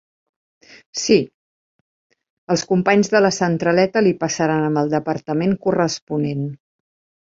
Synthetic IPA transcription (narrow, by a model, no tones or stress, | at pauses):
si | əlˠskumpaɲzðələsənt̪ɾəlɛt̪əlipəsəɾanəmbəlˠd̪əpəɾt̪əmeŋkurəspunen